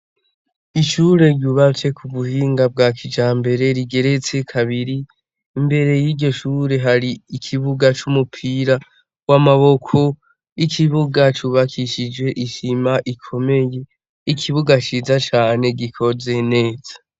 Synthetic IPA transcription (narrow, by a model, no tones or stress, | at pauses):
iʃuɾe̞ɾɟuβafe̞kʰuβuhiːŋɡab̚ɡaːkʰid͡ʒaːmbe̞ɾe̞ɾiɡe̞ɾe̞t͡sekʰaβiɾiː | mbe̞ɾe̞jiːɟo̞ʃuːɾe̞ɦaɾiikʰiβuɡat͡ʃumupʰiɾa | wamaβo̞kʰo̞ | ikʰiβuɡat͡ʃuːβakʰiʃid͡ʒwe̞ʔiʃimaʔikʰo̞me̞je̞ | ikʰiβuɡat͡ʃizat͡ʃaːne̞ɡikʰo̞ze̞ne̞ːz̥ḁ